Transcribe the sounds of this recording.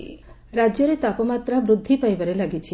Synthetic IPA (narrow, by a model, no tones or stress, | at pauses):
ɾad͡ʒjɔɾet̪apɔmat̪ɾabɾud̪ʱːipajbaɾelaɡit͡ʃʰi